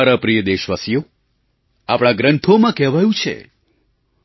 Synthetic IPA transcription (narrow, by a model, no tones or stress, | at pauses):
ɾapɾijəd̪eʃʋasjo | apɳ̃ãɡɾəɳʈʰomãkɛʋajũt͡ʃʰḛ